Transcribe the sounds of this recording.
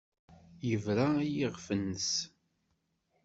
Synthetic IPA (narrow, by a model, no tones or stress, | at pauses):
jəvɾaijiʁfənːəs